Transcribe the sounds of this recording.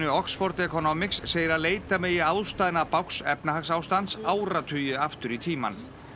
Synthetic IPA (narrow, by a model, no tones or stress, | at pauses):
ʏɔksfɔɾt̪ɛkɔnoːmɪksːeːjɪɾaðleːjt̪amɛjɪawðst̪aːðɪnapawksɛpnaɦaksaːwst̪ant̪saːwɾat̪ʰʏjʏaft̪ʏɾit̪ʰiːma̰n